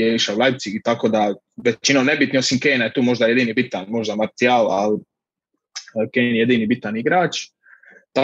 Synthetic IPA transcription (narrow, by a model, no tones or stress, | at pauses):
jeiʃaulˠajbt̪siɡit̪ako̞ːd̪a | ʋet͡ʃinone̞bit̪nio̞simkeːnajet̪uːmo̞ʒd̪aje̞d̪iːnibit̪anmo̞ʒd̪amaɾt̪ijaːla̰l | keːnje̞d̪inibit̪aniɡɾaːt͡ʃ | t̪a